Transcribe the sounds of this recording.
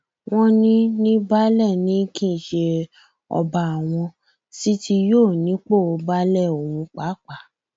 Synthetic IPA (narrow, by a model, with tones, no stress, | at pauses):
w̃ɔ̃˦nĩ˦nĩ˦ba˦lɛ˦˨nĩ˨˦kĩ˦˨ʃe˧ | ɔ̰˧ba˨a˨w̃ɔ̃˧ | si˦tʰi˧joː˦˨nĩ˨˦k͡po˦˨o˧ba˦lɛ˦˨o˨wũ˨˧k͡pa˨˦k͡pa˨˦